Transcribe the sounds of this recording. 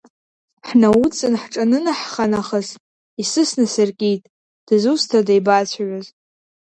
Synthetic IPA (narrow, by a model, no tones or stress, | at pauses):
ħnawut͡sʼɨnħʈ͡ʂʼanɨnaħχanaχəz | isɨsnɨsɨrkʲʼitʼ | d̥zustʰadejbat͡sʷʰaɥʷaz